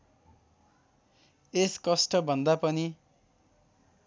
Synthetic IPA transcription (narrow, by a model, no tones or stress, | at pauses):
eskʌsʈʌbʱʌnd̪apʌni